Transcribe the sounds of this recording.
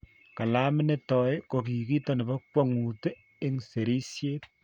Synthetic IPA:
ka˨la˦mɪ˦ne˦tɔ˨jko˨k̬i˨ki˦to˦˨ne˨bɐ˦kwa˦ŋu˨te˦ | e˦ŋse˨ɾi˦sje˦t̚

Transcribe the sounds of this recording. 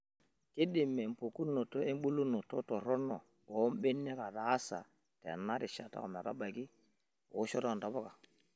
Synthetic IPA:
ke˦di˨mːe˨m̩˨po˨ku˦nːo˨to˦e˦m˦ɓu˦lu˦no˨to˦to˨ɾo˦nɔ˨ | o˨˦m˦be˦nːe˦ka˨ta˨a˦sa̰˨ | tḛ˨nːa˦ɾi˨ʃa̰˨ta̰˦ko˨m˨e˨ta̰˦ba˨ki˦ | o̰˨˦ʃo˦ta˦˨n˨da˨bo˦ka˨

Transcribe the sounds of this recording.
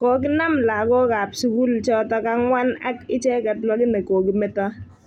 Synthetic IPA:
kɔ˨k̬ɪ˦na˦mla˨ɡɔ˦ka˨psu˦ku˦lt͡ʃɔ˦tɔ˦ka˦ŋwa˦na̰˦kɪ˦t͡ʃɛ˦kɛ˨tlɔ˦ɡɪ˦ne˨koː˨kɪ˦mɛ˦tɔ˦

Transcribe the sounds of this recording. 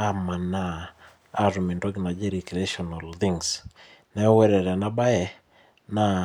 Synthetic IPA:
a˦ma˨naː | ɾmi˨ndɔ˦ɡɪ˨na˨d͡ʒe˦ɾi˨kɾe˦ʃɔna˨lt̪iŋs | nɛ˦wɛ˦ɾɛ˨ɾɛ˨na˦ba˦ɛ˨ | na

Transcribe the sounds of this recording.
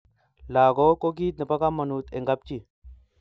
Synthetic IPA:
la˨ɡo˦ko˦k̬i˦t̪̚nə˨pa˦ka˦ma˨nu˨t̪e˨ŋɡa˦p̚t͡ʃi˦˨

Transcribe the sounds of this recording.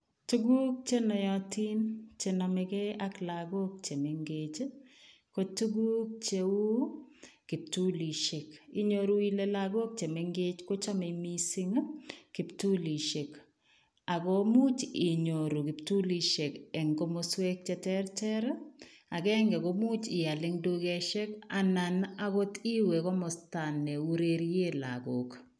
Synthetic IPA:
tu˦ɡu˦k̚t͡ʃe˦nɔ˨jɔti˦nt͡ʃe˨nɔmɛkɛ˦ʔa˦kla˨ɡo˦k̚t͡ʃe˨me˨ŋɡe˨t͡ʃ | ko˦tu˦ɡu˦k̚t͡ʃeu˦ | kɪ˨p̚tu˦li˨ʃe˨ki˨ɲoɾu˦i˦le˦laɡo˦k̚t͡ʃe˨me˨ŋɡe˦t͡ʃko˦t͡ʃa˦me˨mi˦si˦ŋkɪ˨ptu˦li˨ʃe˨k | a˨kɔ˦mu˦t͡ʃɪ˨ɲo˨ɾu˨kɪ˨ptu˦li˦ʃe˨kɛ˨ŋɡo˦moswe˦k̚t͡ʃɛ˦tɛɾtɛ˦ɾ | a˨kɛ˦ŋɡɛ˨kɔ˨mu˦t͡ʃɪ˨a˨lɪ˦ŋdo˦ɡɛ˦ʃɛ˦ka˨na˨na˦kɔ˦ti˦we˨kɔ˦mɔ˨sta˨nɛ˨u˦ɾeɾje˦la̰ɡo˨k

